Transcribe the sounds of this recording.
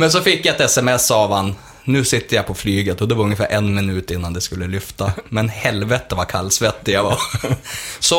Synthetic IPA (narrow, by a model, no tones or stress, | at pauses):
mɛns̬ɔfɪkːjaɛt̪ɛsɛmɛsːɑʋan | nʉːsɪt̪ːəjapʰɔflyːɡət̪ɔd̪ɛvaɾɵŋjəfæ̰ːɾʔɛnmɪnʉːt̪ɪnːand̪ɛskɵlːəlʏft̪amɛnhɛlvɛt̪əvaɾkʰalːsvɛt̪ːɪjava | sɔ